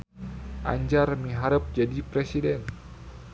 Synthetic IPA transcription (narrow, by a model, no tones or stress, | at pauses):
ʔa̰ɲd͡ʒarmiɦaɾəp̚d͡ʒadipɾesidɛn